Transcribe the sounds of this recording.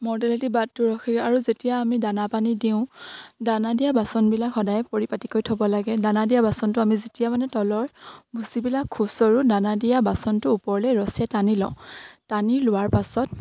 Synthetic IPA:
mɔdɛlatibatːʊɹɔxʰiaɹuzetijaːmidanapanidiʊ̃danadijabasɔnbilakxɔdajɛpoɹipatikojtʰɔbɔlaɡɛdanadijabasɔntʊamizetijamanɛtɔlɔɹbusibilakʰːusɔɹudanadijabasɔntʊːpɔɹlɛɹɔsijatanilɔ̰ʊ̃taniɹlʊwaɹpasɔt̚

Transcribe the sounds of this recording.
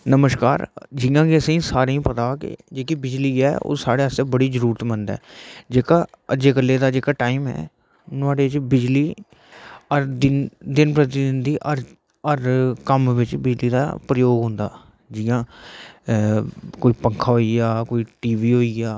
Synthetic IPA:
nəməskaːɾd͡ʒɪːjãːɡiəsĩːsaːɾeĩːpət̪aːkɪ̰d͡ʒeːkiːbɪd͡ʒliːɛːo̰ːsaːɽeːəst̪ebəɽiːzəɾuːɾət̪mənd̪ɛ̰ːd͡ʒeːkaː | əd͡ʒeːkəlːeːd̪aːd͡ʒeːkaːʈaːiːmɛ̰ː | nʊaːɽeːɪt͡ʃbɪd͡ʒliː | əɾd̪ɪnd̪ɪnpɾət̪ɪd̪ɪnd̪iːʔəɾ | əɾkəmʋɪt͡ʃbɪd͡ʒliːd̪a̰ːpɾəjoːɡɦʊ̃ːnd̪aː | d͡ʒɪjãː | koːiːpəŋkʰaːɦoːiːɡaːkoːiːʈiːʋiːɦoːiːɡaː

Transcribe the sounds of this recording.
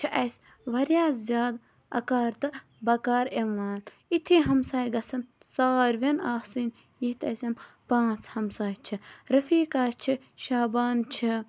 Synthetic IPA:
t͡ʃʰiʔɐs | ʋɐɾjaːzʲjaːd̪ | ɐ̰kaːɾt̪ɨ | bɐkaːɾemːaːn | it̪ʰiɦɐmsaːjɡɐsɐnsaːɾʋenaːhsin | jiht̪ɐsʲɐm | pãːt͡shɐmsaːjt͡ʃʰiɾɐfiːkaːt͡ʃʰi | ʃaːbaːnt͡ʃʰi

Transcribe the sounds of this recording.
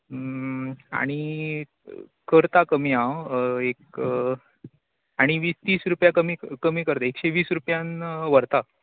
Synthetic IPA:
a̰ɽ̃i | kəɾt̪akəmjãek | aɽ̃iʋiːst̪iːsɾupjakəmikəmiːkəɾt̪aekɕeʋiːsɾupjãnʋəɾt̪a

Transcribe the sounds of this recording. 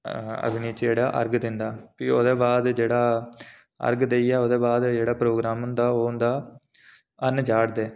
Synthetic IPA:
ə̰ɡɪniːt͡ʃd͡ʒeːɽa̰ːʔə̰ɾɡd̪ɪnd̪aːpiːo̰d̪eːbaːd̪d͡ʒeːɽaː | ə̰ɾɡd̪eːiːɛːod̪eːbaːd̪d͡ʒeːɽaːpɾoːɡɾaːmʊnd̪aːoːʊnd̪aː | ənd͡ʒaːɽd̪eː

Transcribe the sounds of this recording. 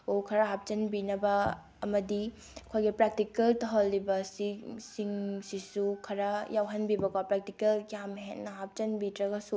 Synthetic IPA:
okʰɐɾɐɦap̚t͡ʃɐnbinɐbɐː | mɐdi | ɐkʰojɡipɾak̚tikeltɐɦolːibɐsisiŋsisukʰɐɾɐjawɦɐnbibɐkapɾak̚tikeljamɦetnɐɦap̚t͡ʃɐnbitɾɐɡɐsu

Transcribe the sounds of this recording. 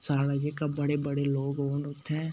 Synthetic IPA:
saːlad͡ʒekabɐɽebəɽeloːɡoːnʊt̪ʰːɛ̃ː

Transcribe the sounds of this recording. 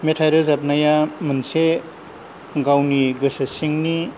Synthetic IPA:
metʰajɾɯzap̚najamɯnse | ɡawniɡɯsasiŋni

